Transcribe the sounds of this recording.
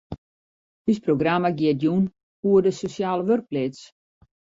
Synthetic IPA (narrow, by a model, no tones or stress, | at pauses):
dysproɡramaɡjɪət̚jun | uədəsosjaːləʋørk̚plɪs